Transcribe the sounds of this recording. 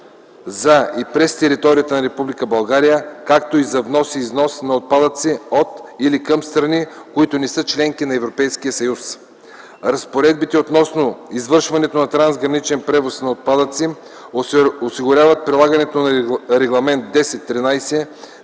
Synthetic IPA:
zɐipɾɛst̪ɛɾit̪ɔɾijət̪ənɐɾɛpublikəbɐlˠɡaɾijəkakt̪oizɐvnɔsiːznɔsnɐot̪̚pad̪ət̪siot̪ilikɐmst̪ɾɐni | koit̪onɛsɤt͡ʃlɛŋkinɐɛvɾopɛjsk̟ijəsɐjus | ɾɐspoɾɛd̪̚bit̪ɛot̪nɔsnoizvɤɾʃvɐnɛt̪onɐt̪ɾanzɡɾɐnit͡ʃɛnpɾɛvosnɐot̪̚pad̪ət̪si | osiɡʊɾʲavət̪̚pɾilˠaɡɐnɛt̪onɾɛɡlˠɐmɛnt̪̚d̪ɛsɛt̪ːɾinajsɛ

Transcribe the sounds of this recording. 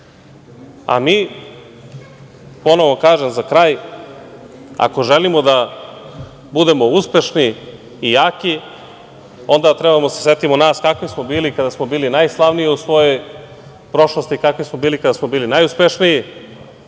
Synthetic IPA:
a̰miː | po̞no̞ʋokaːʒemzakɾaːj | a̰ko̞ʒelimo̞d̪a | bud̪e̞mo̞uspe̞ʃniː | jaːki | o̞nd̪at̪ɾebamod̪aseset̪imonaːskakʋismo̞biːlikad̪asmo̞biːlinajslˠaʋnijeusʋo̞jo̞j | pɾo̞ʃlost̪ikakʋismo̞biːlikad̪asmo̞biːlinajuspeʃniji

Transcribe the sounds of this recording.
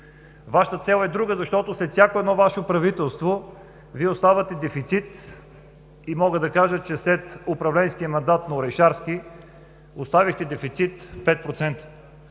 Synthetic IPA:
vaʃə̥t̪ət̪sɛlˠɛd̪ɾuɡəzɐʃt̪ɔt̪ʊslɛt̪sʲjakoɛd̪nɔvaʃopɾɐvit̪ɛlˠst̪vo | viɛʊst̪avət̪ɛd̪ɛfit̪sit̪ | imɔɡəd̪ɐkaʒət͡ʃɛslɛt̪ʊpɾɐvlɛnskiəmɐnd̪at̪nɐʊɾɛjʃaɾski | ʊst̪avixt̪ɛd̪ɛfit̪sit̪pɛt̪̚pɾot̪sɛnt̪ə̥

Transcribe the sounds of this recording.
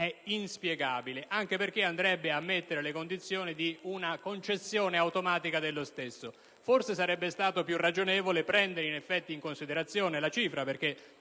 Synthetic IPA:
ɛinspjɛɡaːbileʔaŋk̟eperk̟eand̪ɾɛbːeamːet̪ːeɾelekond̪it̪sːjoːnid̪iunakont͡ʃesːjoːneawt̪omaːt̪ikad̪elːost̪esːo | forsesaɾɛbːest̪aːt̪opjurːad͡ʒonɛːvolepɾɛnd̪eɾeinefːɛt̪ːiiŋkonsid̪eɾat̪sːjoːnelat͡ʃiːfɾaperk̟e

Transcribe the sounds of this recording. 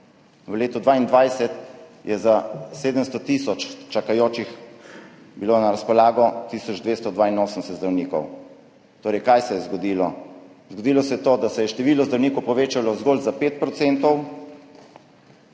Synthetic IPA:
ʋəleːt̪ɔd̪ʋaːind̪ʋajsɛt̪jɛzaseːd̪əmst̪ɔt̪isɔt͡ʃt͡ʃakajoːt͡ʃix | biloːnaɾaspɔlaːɡɔt̪iːsɔd͡ʒd̪ʋeːst̪ɔd̪ʋaːinoːsəmnsɛt̪zd̪ɾawniːkɔ̰w | t̪oːɾɛjkajsɛjɛzɡɔd̪iːlɔ | zɡɔd̪iːlɔsɛjɛt̪oːd̪asɛjɛʃt̪ɛʋiːlɔzd̪ɾawniːkɔwpɔʋeːt͡ʃalɔzɡoːlzapeːt̪̚pɾɔt̪seːnt̪ɔw

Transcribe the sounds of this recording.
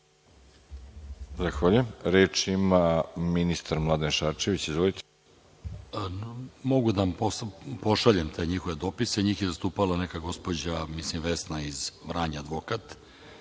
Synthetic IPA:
zaxʋaːʎujemɾeːt͡ʃimaminist̪aɾmlˠad̪enʃaːɾt͡ʃeʋit͡ɕizʋolit̪ʰe | mo̞ɡud̪ampospo̞ʃaʎemt̪ʰe̞ːɲixo̞ʋe̞d̪o̞pise̞ɲiːxjezast̪uːpalˠanekaɡo̞spod͡ʑamislimʋesnaizvɾaɲaad̪ʋokat̪

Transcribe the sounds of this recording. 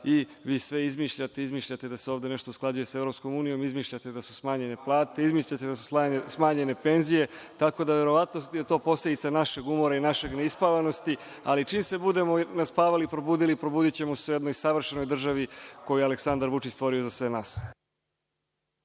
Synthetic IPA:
iʋiːsʋe̞izmiːʃʎat̪e̞izmiːʃʎat̪e̞d̪aseoʋd̪e̞ne̞ʃt̪o̞usklˠad͡ʑuje̞se̞vɾo̞psko̞muːnijo̞mizmiːʃʎat̪e̞d̪asu̥smaːɲe̞ne̞plˠaːt̪e̞izmiːʃʎat̪ed̪asu̥sasmaːɲe̞ne̞pe̞nzije̞t̪ako̞d̪aʋe̞ɾo̞ʋat̪noje̞t̪o̞ːpo̞sled̪it̪sanaʃe̞ɡumo̞ɾainaʃe̞ɡneispaʋano̞st̪i | alit͡ʃiːmse̞bud̪e̞mo̞naspaːʋalipɾo̞buːd̪ilipɾo̞buːd̪it͡ɕe̞mosuje̞d̪nojsaʋr̩ʃeno̞jd̪r̩ʒaʋiko̞jujealeksand̪aɾʋut͡ʂit͡ɕst̪ʋo̞ɾio̞zasʋe̞naːs

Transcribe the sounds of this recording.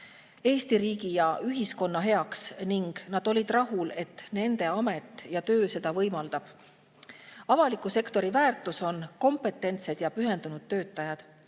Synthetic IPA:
e̞ːst̪iɾiːɡijɑʔyɦisko̞nːɑɦe̞ɑksniŋɡ̥nɑd̪̥o̞lʲid̪̥rɑɦule̞t̪ːˑne̞nd̪̥e̞ɑme̞t̪ːˑjɑt̪ø̞ːse̞d̪ɑvɤjmɑld̪̥ɑb̥ | ɑvɑlikːˑuse̞kt̪o̞ɾivæːrt̪ˑuso̞nko̞mpe̞t̪ːˑe̞nt̪se̞d̪̥jɑpyɦe̞nd̪unud̪̥̚tːø̞ːt̪ːˑɑjɑd̪̥

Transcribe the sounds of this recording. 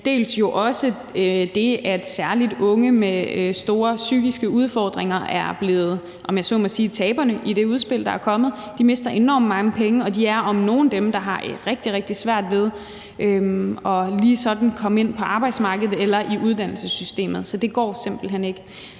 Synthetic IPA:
d̥e̝̰ːlsjo̝ʔɒ̽sə | d̥e̝æd̥sæɐlid̥ɔ̽ŋəmesd̥o̝ːɐsyɡ̥isɡ̥əuð̞ˠfɒ̰ːd̥ʁeŋɐæɐb̥le̝ːð̩ˠ | ʔɒ̽mjɑsɔ̰ːmɒ̽siːt͡sʰɛːb̥ɐnəʔid̥e̝uð̞ˠsb̥e̝l̰d̥ɑ̈æɐkʰɒ̽mð̞̩ˠ | d̥ime̝sd̥ɐʔe̝nɒ̰ːmmɑ̈ŋəpʰeŋəɒ̽d̥iæɐʔɒ̽mno̝ːn̩d̥emd̥ɑ̈ɦɑ̈ʔeʁeɡ̥d̥iʁeɡ̥̚d̥isʋæɐ̰d̥ʋe̝ð̞ˠ | ʔøɒ̽liːsɒ̽d̥n̩kʰɒ̽məe̝n̰pʰɒ̽ʔɑ̈ːb̥ɑɪd̥smɑ̈ːɡ̥əð̞̩ˠelɐʔiʔuð̞ˠd̥æn̰l̩səsysd̥e̝̰ːmð̞̩ˠsɒ̽d̥e̝ɡ̥ɒ̰ːse̝m̰b̥l̩ɦen̰e̝ɡ̥ə

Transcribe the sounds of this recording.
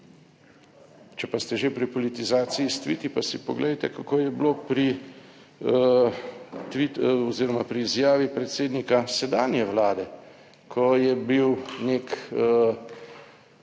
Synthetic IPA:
t͡ʃɛpast̪ɛʒepɾipɔlit̪izaːt̪sijist̪ʋḭt̪ipasipɔɡlɛjt̪ɛkakoːjɛblopɾi | t̪ʋiɔziːɾɔmapɾiːzjaːʋipɾɛt̪seːd̪nikasɛd̪aːnijɛʋlaːd̪ɛ | kʰɔjɛbiwneːkː

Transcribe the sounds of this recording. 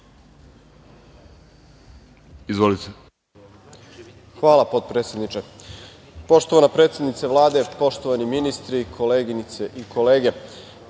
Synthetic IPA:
izʋolit̪e | xʋaːlˠapo̞t̪̚pɾet̪sje̞d̪nit͡ʃe | po̞ʃt̪o̞ʋanapɾet̪sje̞d̪nit̪seʋlˠaːd̪e̞po̞ʃt̪o̞ʋaniminist̪ɾikʰo̞leːɡinit̪se̞ʔikʰo̞leːɡe̞

